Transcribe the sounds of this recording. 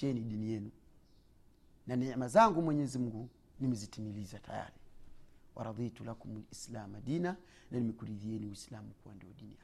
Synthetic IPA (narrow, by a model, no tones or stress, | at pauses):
ɛniɗinijɛnu | nanɛamazaŋɡumwɛɲɛzimuɡu | nimɛzitimilizatʰa̰ja̰ɾiwʔa̰ɾɑðitulakumulislamadina | nanimɛkuɾiðiɛniwislamukuwandiɔɗinia